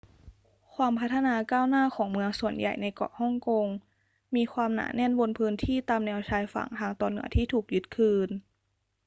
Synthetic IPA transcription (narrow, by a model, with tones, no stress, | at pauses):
kʰwaː˧mpʰa˦˥t̪ʰːa˧naː˧kaː˥˩wnaː˥˩˨kʰɔː˩˦ŋmɯ˧əŋsu˨˩ənja̰˨˩jna˧jkɔ̰˨˩hɔ˥˩ŋko˧ŋ | miː˧kʰwaː˧mna̰ː˩˦nɛ˥˩nbo˧npʰɯː˦˥nt̪ʰiː˥˩t̪aː˧mnɛː˧wt͡ɕʰaː˧jfa̰˨˩˦ŋt̪ʰaː˧ŋt̪ɔː˧nːɯ̰˧˩˦ɐt̪ʰiː˥˩t̪ʰuː˨˩k̚ju˦˥t̪̚kʰɯː˧n